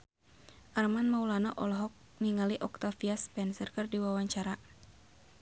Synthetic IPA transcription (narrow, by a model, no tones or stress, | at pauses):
ʔarmanmaulanaʔɔlɔɦɔk̚ | niŋaliʔɔk̚t̪afiaspɛnsərkərdiwawaɲt͡ʃaɾa